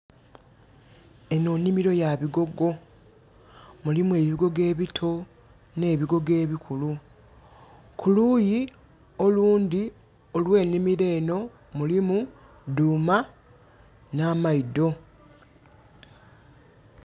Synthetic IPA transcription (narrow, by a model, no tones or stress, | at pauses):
e̞nuːnːimiɾo̞jaβiɡo̞ɡo̞ | mulimue̞ːβiɡo̞ɡe̞ːβitʰo̞ | ne̞ːβiɡo̞ɡe̞ːβikʰulu | kuluːji | o̞luːnd̪i | o̞lwe̞ːnimiɾe̞ːno̞ | mulimu | duːma | naːmaido̞